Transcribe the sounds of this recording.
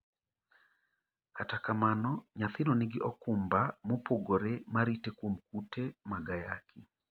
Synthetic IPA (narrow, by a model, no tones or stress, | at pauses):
katakamanɔɲaθɪnɔnɪɡɪʔɔkumbamopoɡoɾɛmaɾitekwomkutemaɡaja̰kʰɪ